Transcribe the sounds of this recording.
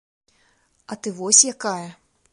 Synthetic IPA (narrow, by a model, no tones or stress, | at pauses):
ɐt̪ɨvɔsʲjakajɐ